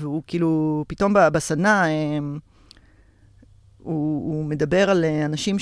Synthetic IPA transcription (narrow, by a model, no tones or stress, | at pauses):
veukiːlupito̞mbabasanaem | uːme̞d̪abe̞ʁaleanaʃim